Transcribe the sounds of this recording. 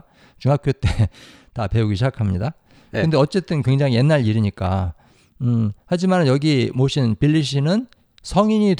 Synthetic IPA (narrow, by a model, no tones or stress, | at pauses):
t͡ɕuŋɦakʰjot̚t͈e̞ | tape̞uɡiɕʰid͡ʑakʰamɲida | kɯnde̞ʌt͡ɕ͈e̞t͈ɯnkwe̞ŋd͡ʑaŋije̞nːaɭiɾiɲik͈a̰ | ɯhad͡ʑimanɯnjʌɡimoɕʰinpiʎːiɕʰinɯn | sʰʌŋiɲit